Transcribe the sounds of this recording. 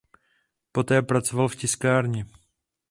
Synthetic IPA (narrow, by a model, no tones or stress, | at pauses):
po̞t̪ɛːpɾat͡sovalfcɪskaːɾɲɪ